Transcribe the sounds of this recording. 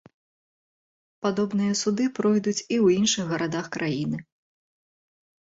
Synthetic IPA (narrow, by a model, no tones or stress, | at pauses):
pad̪ɔbn̪ɨjɐsud̪ɨpɾɔjd̪ut͡sʲiwinʂɨɣɣɐɾʔad̪axkɾʔajinɨ